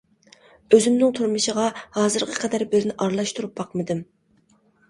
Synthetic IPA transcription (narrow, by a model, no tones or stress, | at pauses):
øzɪmnɪŋt̪ʰuɾmɨʃəʁɑhɑːzɨɾqʰə̥qʰɛd̪æɾbɪɾnɪʔɑɾlˠɑʃt̪ʰuɾup̚bɑqmɨd̪ɪm